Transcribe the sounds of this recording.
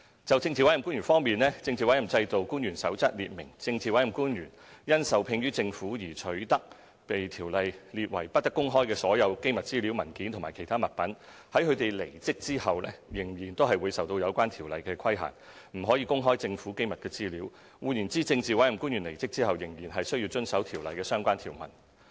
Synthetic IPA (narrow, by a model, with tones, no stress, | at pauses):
t͡sɐ˨wt͡sɪ˧ŋt͡siː˨wɐ˨˥jku˥njyː˨˩fɔː˥ŋmiː˨˩nlɛː˥t͡sɪ˧ŋt͡siː˨wɐ˨˥jɐ˨˩mt͡sɐ˧jt̪o˨wkuː˥njɥyː˨˩nsɐ˨˥wt͡sɐ˥t̚lḭː˨t̚mɪ˨˩ŋt͡sɪ˧ŋt͡siː˨wɐ˨˥jɐ˨˩mkuː˥njyː˨˩n | jɐ˥nsɐ˨wpʰɪ˧ŋjyː˥t͡sɪ˧ŋfuː˨˥jiː˨˩t͡ʃʰɵ˨˥t̪ɐ˥k̚ | pe˨jt̪ʰiː˨˩wlɐ˨jli˨t̚wɐ̰˨˩jpɐ˥t̚t̪kːʊ˥ŋɦɔː˥jkɛː˧sɔː˨˥jɐ˨˧wke˥jmɐ˨t̚t͡siː˥li˨˥wmɐ˨˩nkiː˨˥nt̪ʰmaː˨˩jkʰe˨˩jt̪ʰaː˥mɐ˨t̚pɐ˨˥n | hɐ˨˥jkʰɵ˨˧t̪e˨jle˨˩jt͡sɪ˥k̚t͡siː˥hɐ˨wlɛ̰ː˥jɪ˨˩ŋjiː˨˩nt̪o˥wɦɐ˨jwuː˨˧jsɐ˨wt̪o˧wjɐ˨˧wkʷaː˥nt̪ʰiː˨˩wlɐ˨jkɛː˧kʰɐ˥jɦa̰ː˨˩ŋ | m̩˨˩ɦɔː˨˥jiː˧kʊ˥ŋɦɔː˥jt͡sɪ˧ŋfuː˨˥kjmɐ˨t̚kɛː˧t͡siː˥liː˨˥w | wuː˨˧jniː˨˩nt͡siː˥t͡sɪ˧ŋt͡siː˨wɐ˨˥jɐ˨˩mkuː˥njyː˨˩nle˨˩jt͡sɪ˥k̚t͡siː˥hɐ˨wjɪ˨˩ŋjiː˨˩nɦɐ˨jsɵ˥ɥji˧wt͡ʃɵ˥nsɐ˨˥wt̪ʰiː˨˩wlɐ̰˨jkɛː˧sœː˥ŋkʷaː˥nt̪ʰiː˨˩wmɐ̰˨˩n